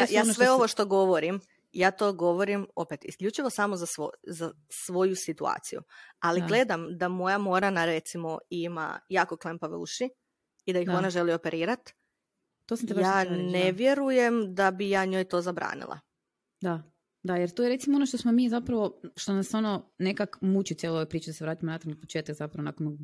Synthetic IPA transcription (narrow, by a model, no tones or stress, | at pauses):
ajaːsʋe̞oʋoʃt̪o̞ɡo̞ʋo̞ɾim | jaːt̪o̞ːɡo̞ʋo̞ɾimo̞pet̪ḭskʎʲut͡ʃiʋo̞samozasʋo̰za | sʋo̞jusit̪ua̰ːt̪sijṵaliɡle̞d̪amd̪amo̞jamo̞ɾanaɾe̞t̪simo̞ima̰jaːko̞klˠempaʋṵʃi | id̪aixo̞naʒe̞lio̞pe̞ɾʔiːɾat̪ | t̪ːosamt̪ebjaːneʋje̞ɾuje̞md̪abijaːɲo̞jt̪o̞ːzabɾa̰ːnḭlˠa̰ | d̪a | d̪ajeɾt̪ojeɾetsimonoʃt̪osmomiːzapɾaʋo̞ʃt̪onaso̞nonekakmut͡ɕit̪ielooʋepɾiːt͡ʃed̪aseɾaːt̪imonat̪aɾnopot͡ʃeːt̪akzapɾaʋonakono